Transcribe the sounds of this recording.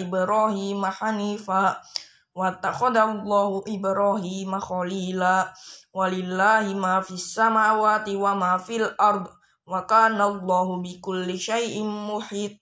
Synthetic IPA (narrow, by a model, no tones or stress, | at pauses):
ɪbɾaːhiːmaħaniːfaː | wat̪ːaxaðalˤːɑːhʊʔɪbɾaːhiːmaxaliːlaːwalɪlːaːhɪmaːfiasːamaːwaːt̪ɪwamaːfilʔɑɾˤd̪ˤ | wakaːnalˤːɑːhʊbɪkʊlːɪʃajʔɪmʊħiːt̪̚ˤ